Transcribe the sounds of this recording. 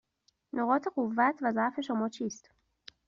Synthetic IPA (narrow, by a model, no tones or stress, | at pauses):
noɣɒːt̪ʰe̞ɢovːæt̪ʰvæzæʔfe̞ʃomɒːt͡ʃʰiːst̪